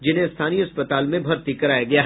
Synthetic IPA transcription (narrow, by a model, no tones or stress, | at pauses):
d͡ʒɪnɦẽst̪ʰaːniɐspət̪aːlmẽbʱɐɾt̪ikɐɾaːjaɡɐjaː